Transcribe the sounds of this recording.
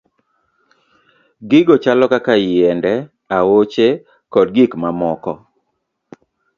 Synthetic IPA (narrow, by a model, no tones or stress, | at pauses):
ɡɪɡɔt͡ʃalɔkakajɪɛndɛ | awot͡ʃe | kɔdɡɪkmamɔkɔ